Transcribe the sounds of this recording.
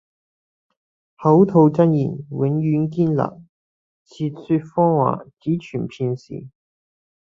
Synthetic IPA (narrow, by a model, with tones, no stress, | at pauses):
hɐ˨˥wt̪ʰo˧wt͡sɐ˥njḭː˨˩nwɪ˨˥ŋjyː˨˥nkiː˥nla̰˨k̚ | t͡sʰiː˧t̚syː˧t̚fɔː˥ŋwa̰ː˨˩t͡siː˨˥t͡ʃʰyː˨˩npʰiː˧nsḭː˨˩